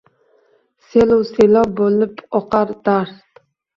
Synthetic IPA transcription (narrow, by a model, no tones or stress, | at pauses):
seluwselɒp̚bolɪpɒqɑɾd̪̥aɾθ